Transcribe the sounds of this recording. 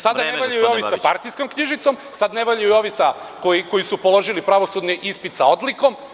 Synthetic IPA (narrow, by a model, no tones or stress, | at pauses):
sad̪aneʋaʎajujoʋisapaɾt̪ijsko̞mkɲiʒit̪so̞msad̪neʋaʎajuo̞ʋisa | koiko̞jisupo̞lˠo̞ʒilipɾaʋo̞sud̪niʔispit̪sao̞d̪liko̞m